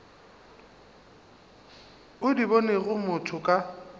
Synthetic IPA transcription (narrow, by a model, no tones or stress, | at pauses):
ʊdibɔneɣʊmʊtʰʊkʼa